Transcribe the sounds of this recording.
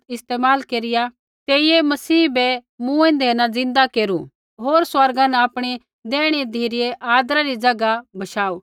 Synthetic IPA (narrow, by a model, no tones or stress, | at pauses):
ɪst̪eːmaːlkeːɾɪja | t̪eːiemɐsiːbɛmũːẽd̪ʱeːnad͡zɪ̃nd̪akeːɾṵ | ɦoːɾswɐɾɡãnɛapɽ̃i | d̪ɛːɽ̃id̪ʱeːɾɪjeʔaːd̪ɾaɾid͡ʒɐɡabɐʃaːuː